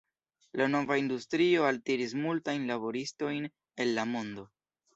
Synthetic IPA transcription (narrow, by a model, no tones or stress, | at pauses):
lano̞vaindustɾio̞altiɾis̬multajnlabo̞ɾisto̞jn | e̞nːamo̞ndo̞